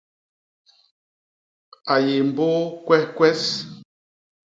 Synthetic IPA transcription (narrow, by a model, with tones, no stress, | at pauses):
a˨ji˨mbo˦kwɛ˦hkwɛ˦s